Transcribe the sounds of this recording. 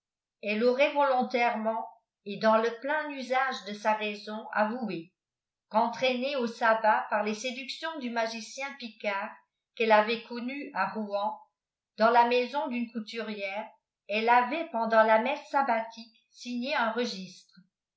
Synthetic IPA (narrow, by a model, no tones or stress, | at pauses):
ɛlɔʁɛvɔlɔ̃t̪ɛʁmɑ̃ | ed̪ɑ̃ləplɛ̃nyzaʒd̪əsaʁɛzɔ̃a̰vue | kɑ̃t̪χɛneosabapaʁlesed̪yksjɔ̃d̪ymaʒisjɛ̃pikaːʁ | kɛlavɛkʰɔnyaʁuɑ̃ | d̪ɑ̃lamɛzɔ̃d̪ynkut̪yʁjɛːʁ | ɛlavɛpɑ̃d̪ɑ̃lamɛssabat̪ʰik | siɲeɛ̃ʁəʒist̪χ